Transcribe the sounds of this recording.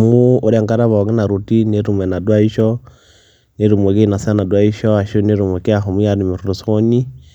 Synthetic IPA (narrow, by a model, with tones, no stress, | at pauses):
mu˦u˦ɾɛ˨ŋka˦ɾa˦βɔ˨ɡi˦na˨ɾu˨ti˦ne˦ɾu˨mwɛ˨na˨dwa˦i˦ʃɔ˦ | ne˦ɾu˨mwe˨ki˦˨na˨sa˦na˨dwa˦i˦ʃɔ˦a˨ʃo˦ne˦ɾu˨mwɛ˨ke˦a˨xo˨mu˦ja˨ɾi˨mi˨ɾu˨ɾu˨so˦ɲi˦